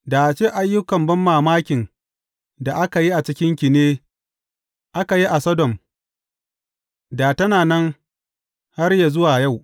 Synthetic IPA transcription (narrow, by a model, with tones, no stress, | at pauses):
da˨ʔt͡ʃeː˦ʔa˦jːʊ˦kɐ˨mbɐ˦mːaː˨maː˦kʲɪ˨n | da˨ʔa˦ka˨ji˦ʔa˨t͡ʃɪ˦kʲɪ˦ŋkʲɪ˨neː˦ | ʔa˦ka˨ji˦ʔa˨sɐ˦dɔ˨m | da˨tɐ˦naː˨nɛ˦ŋ | ha˦rja˨zʊ˦waː˨ja˦˨w